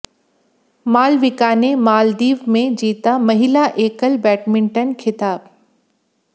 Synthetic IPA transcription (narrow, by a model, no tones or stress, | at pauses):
maːlʋɪkaːnemaːld̪iːʋmẽd͡ʑiːt̪amɐɦɪlaʔeːkəlbɛːʈmɪ̃ɳʈənkʰɪt̪aːb